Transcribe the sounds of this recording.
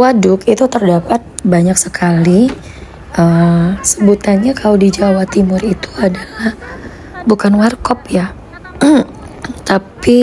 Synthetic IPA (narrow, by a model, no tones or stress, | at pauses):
wadʊkit̪ut̪ərdapat̪̚baɲaksəkʰali | ʔəsəbut̪anɲakʰalodid͡ʒawat̪imʊrit̪u̥adalah | bukanwarkɔpja | t̪api